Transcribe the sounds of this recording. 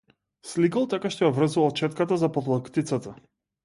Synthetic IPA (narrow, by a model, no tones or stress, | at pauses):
slikalˠt̪akaʃt̪ɔjavrəzuvalt͡ʃɛt̪kat̪azapɔvlˠakt̪it̪sat̪a